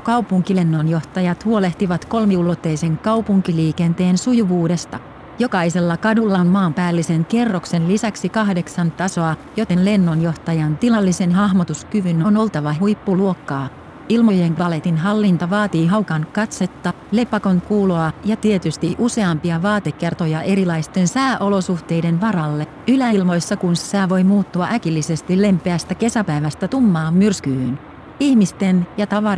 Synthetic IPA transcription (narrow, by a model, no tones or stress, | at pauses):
kɑwpuŋkile̞nːo̞njo̞ht̪ɑjɑt̪huo̞le̞ht̪iʋɑt̪ko̞lmiulot̪ːe̞jse̞ŋkɑwpuŋk̟iliːke̞nt̪e̞ːnsujuʋuːde̞st̪ɑ | jo̞kɑise̞lːɑkɑdulːɑmmɑːmpæːlːise̞ŋke̞rːo̞kse̞nlisæksikɑɦde̞ksɑnt̪ɑso̞ɑjo̞t̪enle̞nːo̞njo̞ht̪ɑjɑnt̪ilɑlːise̞nɦɑɦmot̪uskyʋynonolt̪ɑʋɑɦujpːuluo̞kːɑː | ilmo̞jeŋkɑle̞t̪inɦɑlːint̪ɑʋɑːt̪iːɦɑwkɑnkɑt̪set̪ːɑ | le̞pɑkon̚kuːloɑjɑt̪iet̪yst̪iʔuse̞ɑmpiɑʋɑːt̪e̞kːert̪ojɑʔe̞ɾilɑjst̪e̞nsæːʔo̞lo̞suht̪e̞jde̞nʋɑɾɑlːe | ylælmo̞jsːɑkunsi̥sæːʋo̞jmuːt̪ːuɑʔækilːise̞st̪ile̞mpˑeæst̪æke̞sæpæjʋæst̪æt̪umːɑːmːyrskyːyn | ihmist̪enjɑt̪ɑʋɑr